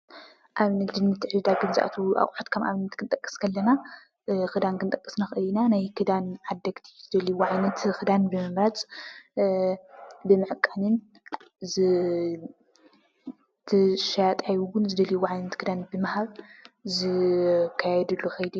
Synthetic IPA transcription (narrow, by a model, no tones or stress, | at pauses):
ʔaβnɐt̪ɨnːɨt̪ʰːɨʕɨld̪aɡɨnzɨʔa̰t̪ʰuʔa̰χʼħot̪kʰɐmʔa̰βnɐt̪kʰɨnt̪ʼɐkʼːɨ̥skʰɐlːɐna | xɨd̪ankʰɨnt̪ʼɐkʼːɨ̥snaxʔɨlːinanajkʰɨd̪anʕad̪ːɐɡt̪ʰi̥zɨd̪ɐliwuʕajnɐt̪xɨd̪anbɨmɨmɾat͡sʼ | bɨmɨʕɨkʼanɨn | zɨ | t̪ʰɨʃajat̪ʼajwʊnzɨd̪ɐliwuʕajnɐt̪kʰɨd̪anbɨmahaβzɨkʰajɛd̪ɨlːuxɐjd̪i